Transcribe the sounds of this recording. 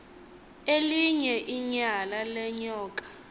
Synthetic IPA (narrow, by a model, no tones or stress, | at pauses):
eliɲɛʔiɲalalɛɲɔːkʼḁ